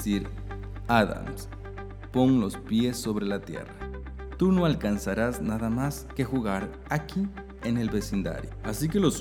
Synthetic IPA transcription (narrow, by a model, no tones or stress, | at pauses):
siɾ | aða̰ms | po̞ŋlo̞spje̞sːo̞βɾe̞lat̪je̞̰ra | t̪uno̞alkansaɾaznaðamaske̞xuɣaɾ | aki | ene̞lβe̞sind̪a̰ɾjoasike̞lo̞s